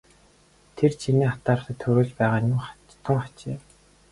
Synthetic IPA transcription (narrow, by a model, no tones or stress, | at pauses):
t̪ʰert͡ɕʰiniːχḁt̪aːɾə̆t̪ə̆t̪ʰːɵɾoːɮpæːʁaːj̪ʊmχa | t̪ʰə̆ŋχḁt͡ɕḛː